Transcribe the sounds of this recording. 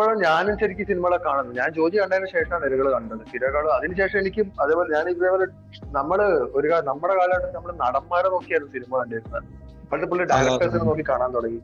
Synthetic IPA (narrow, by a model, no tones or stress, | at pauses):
poːɭɐmɲaːnumɕɐɾikʲːusinimɐɣɭekːaːɳunːuɲaːnt͡ɕo̞ːd͡ʑikːɐɳɖaːjilɕe̞ːʂɐmanelɐɣɐɭkaːɳːiʈːnɐðɨt̪iɾɐkːaːɭɐðinɨɕe̞ːʂɐmenikʲːumɐðeːpoleɲaːniʋɐðeːboːle | nɐmːɐɭoɾukaːlnɐmːuɽekaːlɐmaːɳenɐmːɐɭenɐɽɐmːaːɾɐno̞ːkːijɐjunːɐsinimɐɐɳɖɐjɾunːɐð | ɐɭɐt̪ːep̬ːoɭlːɖaːɾɐʈːɐrsinɨnoːkːikːaːɳaːnt̪oɽɐŋi